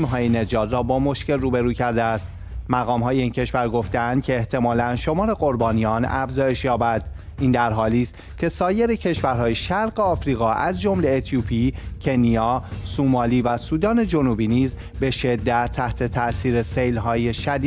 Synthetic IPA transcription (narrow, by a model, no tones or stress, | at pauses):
mɦɒːjene̞d͡ʒɒːd̪rɒːbɒːmoʃce̞lruːbe̞ɾuːcʰæɾd̪eæst̪ | mæɣɒːmɦɒːjeiːncʰe̞ʃvæɾɡo̞ft̪eænd̪̚cʰe̞ːht̪ʰe̞mɒːlænʃo̞mɒːɾe̞ɣo̞ɾbɒːnijɒːnæ̰fzɒːje̞ʃjɒːbæd̪̥ʔiːnd̪æɾɦɒːliːst̪ | cʰe̞sɒːje̞ɾecʰe̞ʃvæɾɦɒːjeʃæɾɢe̞ɒːfɾiːɣɒːʔæzd͡ʒomle̞ːt̪ʰjuːpʰiːcʰe̞nijɒːsumɒːliːvæsuːd̪ɒːne̞d͡ʒonuːbiːniːz | be̞ʃe̞d̪ːæt̪ʰːæht̪ʰe̞t̪ʰæʔsiːɾese̞jlɦɒːje̞ʃæd̪i